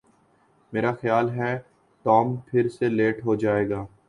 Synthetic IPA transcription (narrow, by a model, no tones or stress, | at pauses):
meːɾaxjaːlɦɛ | ʈɔːmpʰɪɾseleːʈɦod͡ʒaːeːɡaː